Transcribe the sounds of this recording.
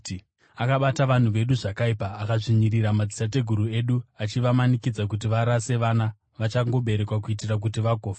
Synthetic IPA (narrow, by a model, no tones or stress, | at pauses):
akaɓataʋan̤uʋe̞ɗuʐakaipaːkaʐiɲiriɾamad͡zisat̬e̞ɡʱuɾue̞ɗuat͡ʃiʋamanikid͡zakut̬iʋaɾase̞ʋana | ʋat͡ʃaŋɡo̞ɓe̞ɾe̞kwak̬uit̬irak̬utiʋaɡʱoːfa